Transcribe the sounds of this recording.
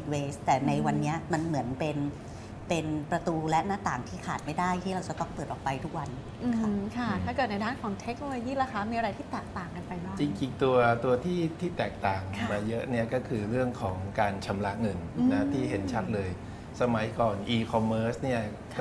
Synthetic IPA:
i˨˩t̪̚weː˧˦st̪ɛː˨˩na˧jwa˧nːi˦˥ɐma˧nmɯ˩˦ənpe˧n | pe˧npɾa˧t̪uː˧lɛ˦˥ʔnaː˥˩t̪aː˨˩ŋt̪ʰiː˥˩kʰaː˨˩t̪̚ma˥˩jdaː˥˩jt̪ʰiː˥˩ɾa˧wt͡ɕa˧t̪ɔ˥˩ŋpɤː˨˩t̪̚ʔɔː˨˩kpa˧jt̪ʰu˦˥k̚wa˧nːʰ˧ | kʰa˥˧˩t̪ʰaː˥˩kɤ˨˩t̪na˧jdaː˥˩nkʰɔː˩˦ŋt̪ʰe˦˥k̚noː˧loː˧jiː˥˩la˧kaː˦˥miː˧a˧ɾa˧jt̪ʰiː˥˩t̪ɛː˨˩k̚t̪aː˨˩ŋka˧npa˧jbaː˥˩t͡ɕi˧ŋkʰi˨˩k̚t̪u˧ɐt̪u˧ɐt̪ʰiː˥˩t̪ʰiː˥˩t̪ɛː˨˩k̚t̪aː˨˩ŋʰmaː˧jɤ˦˥ʔni˥˩ɐkɔː˥˩kʰɯː˧ɾɯ˥˩əŋkʰɔː˩˦ŋkaː˧nt͡ɕʰa˧mla˦˥ʔŋɤ˧nna˦˥t̪ʰiː˥˩ɦe˩˦nt͡ɕʰa˦˥t̪̚lɤː˧j | sa˧ma˩˦jkɔː˨˩nʔiː˧kʰɔ˧mːɤː˦˥sni˥˩ɐ

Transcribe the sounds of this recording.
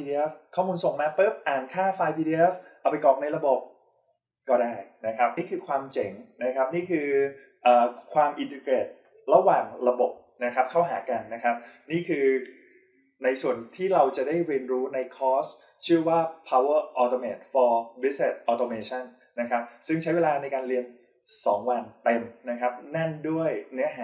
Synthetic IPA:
i˧i˧ʔe˦˥fkʰɔː˥˩muː˧nso˨˩ŋma˧pɤː˦˥˩p̚ʔaː˨˩nkʰaː˥˩faː˧jpʰi˧diː˧ʔe˦˥fʔa˨˩pa˧jkɔː˨˩k̚na˧jɾa˧bo˨˩p̚ | kɔː˥˩daː˥˩jna˦˥kʰa˦˥p̚niː˥˩kʰɯː˧kʰwaː˧mt͡ɕe˩˦ŋna˦˥kʰa˦˥p̚niː˥˩kʰɯː˧ | ʔaː˨˩kʰwaː˧mʔi˧nt̪e˧kɾeː˨˩t̪̚ | ɾa˧waː˨˩ŋɾa˧bo˨˩p̚ | na˦˥kʰa˦˥p̚kʰa˥˩wɦaː˩˦ka˧nːa˦˥kʰa˦˥p̚niː˥˩kʰɯː˧ | na˧jsu˨˩ənt̪ʰiː˥˩ɾa˧wt͡ɕa˨˩daː˥˩jɾi˧ənɾuː˦˥na˧jkʰɔː˦˥˩s | t͡ɕʰɯ˥˩əwaː˥˩pʰa˧wə˥˩ʔɔː˧t̪oː˧meː˨˩t̪̚fɔː˧bi˦˥se˨˩t̪̚ʔɔː˧t̪oː˧meː˧t͡ɕʰa˥˩nːa˦˥kʰa˦˥p̚sɯ˥˩ŋt͡ɕʰa˦˥jweː˧laː˧na˧jkaː˧nlɾi˧ən | sɔ̰ː˩˦ŋwa˧nt̪e˧mna˦˥kʰa˦˥p̚nɛ˥˩ndu˥˩əjnɯ˦˥ɐɦaː˨˩

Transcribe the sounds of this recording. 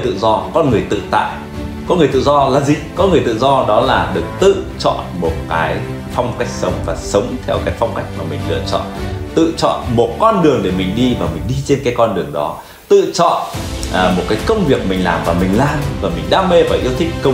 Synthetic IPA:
t̪ɨ̰˧˨zɔ˧kɔ˧nŋɨ˨˩əjt̪ɨ̰˧˨t̪a̰ː˧˨j | kɔ˨˦nɨ˨˩ət̪ɨ̰˧˨zɔ˧laː˨˩zi˨˩kɔ˨˦nŋɨ˨˩əjt̪ɨ̰˧˨zɔ˧ɗɔ˨˦laː˨˩ɗɨ˨˩ək̚t̪ɨ̰˧˨t͡ɕɔ̰˧˨nmo˨˩t̚kaː˨˦j | fa˧wŋ͡mka˦˥jk̚sə˨˦wŋ͡mvaː˨˩sə˨˦wŋ͡mt̪ʰɛ˧wkaː˨˦jfa˧wŋ͡mka˦˥jk̟̚maː˨˩mï˨˩ŋ̟lɨ̰˧˨ət͡ɕɔ̰˧˨nt̪ɨ̰˧˨t͡ɕɔ̰˧˨nmo˨˩t̚kɔ˧nɗɨ˨˩əŋɗe˧˩mï˨˩ŋ̟ɗi˧vaː˨˩mï˨˩ŋ̟ɗi˧t͡ɕe˧nkaː˨˦jkɔ˧nɗɨ˨˩əŋɗɔ˨˦ | t̪ɨ̰˧˨t͡ɕɔ̰˧˨nː˨˩mo˨˩t̚kaː˨˦jkə˧wŋ͡mvi˨˩ək̚mï˨˩ŋlaː˨˩mvaː˨˩mï˨˩ŋ̟laː˨˩mvaː˨˩mï˨˩ŋ̟ɗaː˧me˧vaː˨˩ʔi˧əwt̪ʰï˦˥k̟̚kə˧

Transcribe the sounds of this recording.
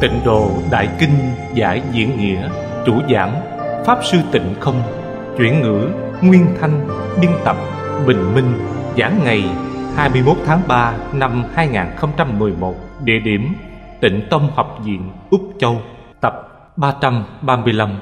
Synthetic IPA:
t̪ḭ̈˧˨˩ŋ̟ɗo̰˧˨ɗa̰ː˧˨jkï˧ŋ̟ | za̰ː˧˦jzḭ˧˥ənŋḭ˧˥ə | t͡ɕu˧˩zaː˧˨˦ŋ | faː˦˥p̚sɨ˧t̪ï˧˩ŋ̟xə˧wŋ͡m | t͡ɕwi˧˩ənŋɨ̰˧˥ | ŋwi˧ənt̪ʰa˧jŋ̟ | ɓi˧ənt̪ə˨˩p̚ | ɓï˨˩ŋ̟mï˧ŋ̟zaː˨˦ŋːa˨˩jhaː˧jmɨ˧əjmo˦˥t̚t̪ʰaː˨˦ŋɓaː˧na˧mhaː˧jŋaː˨˩nxə˧wŋ͡mt͡ɕa˧mːɨ˨˩əjmo˨˩t̚ɗḛ˧˨ɗi˧˩əmt̪ï˧˩ŋ̟t̪ə˧wŋ͡mhɔ˨˩wk͡p̚zḭ˧˨ənʔʊ˦˥k͡p̚t͡ɕə˧w | t̪ə˨˩p̚ | ɓaː˧t͡ɕa˧mɓaː˧mɨ˧əjla˧m

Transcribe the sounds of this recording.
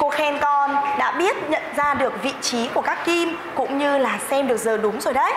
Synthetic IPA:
ku˧˩əkxɛ˧nkɔ˧nɗa̰ː˧˥ɓi˦˥ət̚ɲə̰˧˨nzaː˧ɗɨ˨˩ək̚vḭ˧˨t͡ɕi˨˦ku˧˩əkaː˦˥kːi˧m | kʊ̰˧˥ŋ͡mɲɨ˧laː˨˩sɛ˧mɗɨ˨˩ək̚zəː˨˩ɗʊ˨˦ŋ͡mzo˨˩jɗə˦j

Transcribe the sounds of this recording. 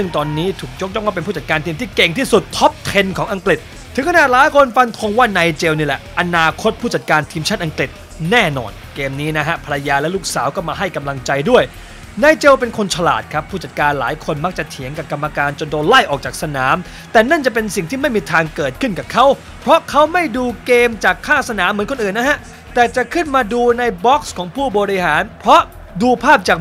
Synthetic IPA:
sɯ˥˩ŋt̪ɔː˧nːiː˦˥t̪ʰuː˨˩k̚jo˦˥k̚jɔ˥˩ŋwaː˥˩pe˧npʰuː˥˩t͡ɕa˨˩t̪̚kaː˧nt̪ʰiː˧mt̪iː˥˩ke˨˩ŋt̪ʰiː˥˩su˨˩t̪ʰːɔ˦˥p̚t̪ʰe˧nkʰɔː˩˦ŋʔa˧ŋkli˨˩t̪̚ʰːɯ˨˦ŋkʰnaː˨˩t̪̚laː˨˦jkʰo˧nfa˧nkʰo˧ŋwaː˥˩naː˧jt͡ɕe˧wniː˥lɛ˨˩ʔʔa˧naː˧kʰo˦˥t̪̚pʰuː˥˩t͡ɕa˨˩t̪̚kaː˧nt̪ʰiː˧mt͡ɕʰa˥˩t̪ʔa˧ŋkli˨˩t̪̚ | nɛː˥˩nɔ̰ː˧n | keː˧mniː˦˥na˦˥kʰa˦˥pʰa˧ɾa˧jaː˧lɛ˦˥luː˥˩k̚saː˩˦wkɔ˥˩maː˧ɦa˥˩jka˧mla˧ŋt͡ɕa˧jdu˥˩əj | naː˧jt͡ɕe˧wpe˧nkʰo˧nt͡ɕʰa˧la̰ː˨˩t̪̚kʰa˦˥pʰːuː˥˩t͡ɕa˨˩t̪̚kaː˧nlaː˩˦jkʰo˧nma˦˥k̚t͡ɕa˨˩t̪ʰi˩˦ŋka˨˩p̚ka˧mːa˧kaː˧nt͡ɕo˧ndoː˧nla˥˩jʔɔː˨˩k̚t͡ɕaː˨˩k̚sa˧naː˩˦m | t̪ɛː˨˩na˥˩nt͡ɕa˨˩pe˧nsi˨˩ŋt̪ʰiː˥˩ma˥˩jmiː˧t̪ʰaː˧ŋkɤː˨˩t̪̚kʰɯ˥˩nka˨˩p̚kʰa˦˥w | pʰɾɔ˦˥kʰa˦˥wma˥˩jduː˧keː˧mt͡ɕaː˨˩kʰːaː˥˩sa˧naː˩˦mː˩˦nko˧nʔɯː˨˩nːa˦˥ha˦˥ʔ | t̪ɛː˨˩t͡ɕa˨˩kʰɯ˥˩nmaː˧duː˧na˧jbɔ˦˥k̚skʰɔː˩˦ŋpʰuː˥˩bɔː˧ɾi˧˥haː˩˦npʰɾɔ˦˥ʔ | duː˧pʰaː˥˩p̚t͡ɕaː˨˩k̚

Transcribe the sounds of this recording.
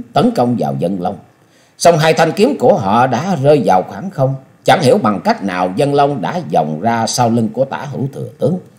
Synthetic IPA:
t̪ə˨˦nkə˧wŋ͡mva̰ː˨˩wzə˧nlə˧wŋ͡m | sa˧wŋ͡mɦaː˧jt̪ʰa˧jŋ̟ki˨˦əmku˧˩əɦɔ̰˧˨ɗa̰ː˧˥zəː˧jvaː˨˩wxwaː˧˩ŋxə˧wŋ͡m | t͡ɕa˧˩ŋhi˧˩əwɓa˨˩ŋka˦˥jk̟̚na̰ː˨˩wzə˧nlə˧wŋ͡mɗa̰ː˧˥zɔ˨˩wŋ͡mzaː˧saː˧wli˧ŋku˧˩ət̪a̰ː˧˩ɦɨ˧˩wt̪ʰɨ̰˨˩ət̪ɨ˨˦əŋ

